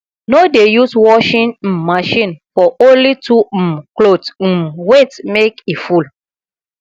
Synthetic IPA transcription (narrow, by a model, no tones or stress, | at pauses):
nodejuswɔʃĩnm̩mːaʃĩnfɔʔõnlitʰuklot̩wetmekiful